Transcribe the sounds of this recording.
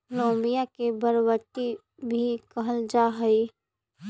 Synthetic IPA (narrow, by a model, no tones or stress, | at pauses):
lõːmbijakebəɾwət̪i | bʱikəɦəld͡ʒaːɦəi